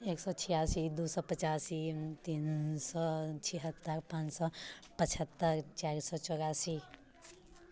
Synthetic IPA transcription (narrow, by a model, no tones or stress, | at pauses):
eksɔt͡ʃʰijaːsid̪usɔpət͡ʃaːsit̪iːnsɔt͡ʃʰiɦət̪ːəɾpãːt͡ʃsɔpət͡ʃʰət̪ːəɾt͡ʃaɾsɔt͡ʃɔːɾaːsi